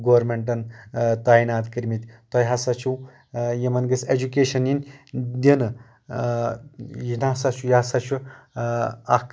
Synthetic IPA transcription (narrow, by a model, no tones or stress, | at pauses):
ɡoʋɐɾmeɳʈ̬ɐnt̪aːinaːt̪kiɾmit̪ʲt̪ɐjɦɐsɐt͡ʃʰuw | jimɐnɡɨsed͡ʒukeːʃɐnjinʲd̪ʲinɨ | jinasɐt͡ʃʰujasɐt͡ʃʰu | ɐ̰k